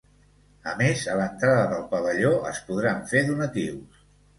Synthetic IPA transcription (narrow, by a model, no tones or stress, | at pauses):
əmezələnt̪ɾaðəðəlˠpəβəʎoəspuðɾaɱfeðunət̪iws